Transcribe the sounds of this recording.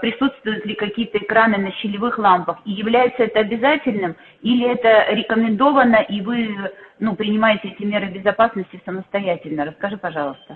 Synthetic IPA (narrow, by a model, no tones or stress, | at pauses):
pɾʲɪsut̪st̪vʊjʊt̪lʲɪkɐkʲijət̪əɪkɾanɨnəɕːɪlʲɪvɨxlˠampəxijɪvlʲæjɪt̪səɛt̪əɐbʲɪzatʲɪlʲnɨm | ilʲɪɛt̪əɾʲɪkəmʲɪnd̪o̞vənəʔivɨnupɾʲɪnʲɪmajɪtʲɪɛtʲɪmʲe̞ɾɨbʲɪzɐpasnəsʲtʲɪsəməst̪ɐjætʲɪlʲnəɾəskɐʐɨpɐʐɑlˠəst̪ə